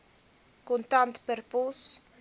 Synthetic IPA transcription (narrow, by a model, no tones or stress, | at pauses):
kũnt̪ant̪peɾpus